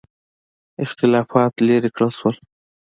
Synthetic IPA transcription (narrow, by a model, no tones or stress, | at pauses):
ɪxt̪ɪlɑfɑt̪leɾikɽəlʃwəl